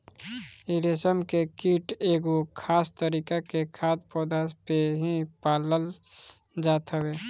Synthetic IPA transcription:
iɾesəmkekiʈeːɡokʰaːst̪əɾikakekʰaːd̪̚pɔːd̪aspeɦipaːləl | d͡ʒaːt̪ɦəweː

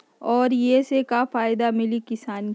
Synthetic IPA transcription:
ɔːɾjesekafaːɪd̪amɪlikɪsaːn

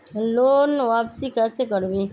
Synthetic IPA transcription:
loːnʋaːpsikɛːsekəɾbeː

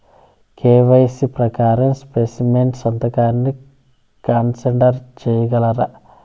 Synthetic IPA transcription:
kʰeːʋɐjsipɾɐkaːɾɐmspeːsimenʈsɐnt̪ɐkaːnːi | kaːnseɳɖɐɾt͡ʃeːjɐɡɐlɐɾɐ

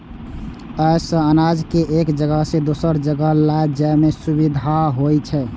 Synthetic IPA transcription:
əjsə̃ənad͡ʒkeʔekd͡ʒəɡəsẽd̪osəɾd͡ʒəɡəlajd͡ʒajmesubid̪ʱaɦojt͡ʃʰɛ

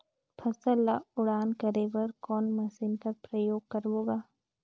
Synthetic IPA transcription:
pʰɐsəlːaʊɽaːnkɐɾeʋəɾkɔːnmɐsɪnkɐpɾəjoːɡ̚kɐɾʋoːɡaː

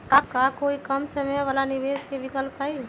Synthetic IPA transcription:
kakakoikəmsəmeʋəlaniʋeskebikəlpai

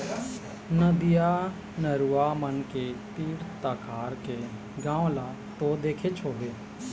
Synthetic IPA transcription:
nəd̪ija | nəɾuaːmənket̪iːɽt̪aːkʰaːɾke | ɡãːwla | t̪od̪eːkʰet͡ʃʰoːbeː

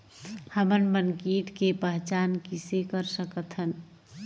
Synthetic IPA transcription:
həmənmənkiːʈkepəɦt͡ʃaːnkisekəɾsəkət̪ɦən

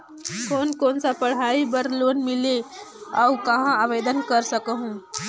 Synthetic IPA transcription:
koːnkoːnsapɐɽ̤ɦaːibəɾloːnmɪleɔːwkɐɦãaʋeːd̪ənkɐɾsəkɦũː

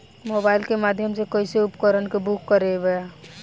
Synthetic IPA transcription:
mobaɪlkemad̪ʱjəmsekəiseupkəɾənkebukːəɾeɡəja

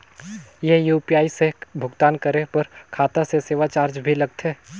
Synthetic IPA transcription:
jeɦjuːpiaːisebʱʊɡt̪aːnkəɾepɐɾkʰaːt̪aseseːʋat͡ʃaːɾd͡ʒbʱilɐɡ̚t̪ɛː

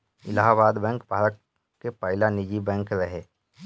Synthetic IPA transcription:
ɪlaːɦabaːd̪bɛ̃ːŋkbʱaːɾət̪̚ | kepəɦɪlanɪd͡ʒibɛ̃ːŋkɾəɦeː

